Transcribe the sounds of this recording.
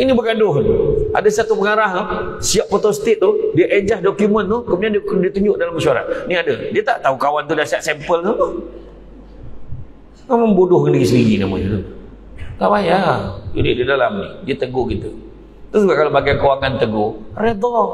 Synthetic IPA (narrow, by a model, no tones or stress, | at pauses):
inibəɡadʊɦna̰dasat̪upəŋaɾaɦasiaʔ̚pot̪ost̪ɪt̪̚ːʊhdiaʔed͡ʒahdokjumənt̪ʊkəmbudiandikdiət̪uɲd͡ʒʊʔdalamːəʃuaɾa̰t̪̚niadədiət̪a̰ʔt̪aukawant̪udahsiaʔsɛmpəlnapə | mamaŋbudʊhŋəndəɡisəɾiɡina̰ma̰t̪it̪u | t̪aʔbajad͡ʒudididalamnihdiat̪əɡoɡit̪u | t̪ʊsd͡ʒuɡakalobaɡajkəwaŋant̪əɡoɾed̪ɔ